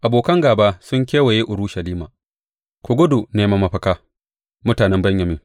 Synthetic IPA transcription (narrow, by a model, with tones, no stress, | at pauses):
ʔa˨boː˨kɐ˦ŋɡaː˨baː˦sʊ˦ŋkʲeː˦wa˨je˦ʔʊ˨ɾu˦ʃɐ˨liː˦maː˨ | kʷʊ˨ɡʷʊ˦du˨neː˦ma˦mɐ˨ɸɐ˦kaː˦ | mʊ˦taː˨nɛ˦mbɐ˦ɲjɐ˨mɪ˦ŋ